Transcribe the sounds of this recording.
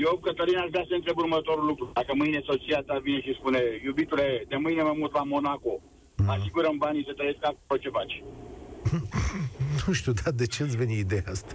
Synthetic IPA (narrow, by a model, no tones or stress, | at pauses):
jobkət̪əɾinaskast̪eɨnt̪ɾebuɾmət̪oɾulːukɾud̪akəmɨjnesot͡ʃijat̪avineʃispunejubit̪uled̪emɨjneməmult̪ʋamonako | asiɡuɾəmbaniset̪ɾəeskakuot͡ʃefat͡ʃ | nuʃt̪ʲud̪ad̪et͡ʃeat̪sʲveniid̪eaast̪ḁ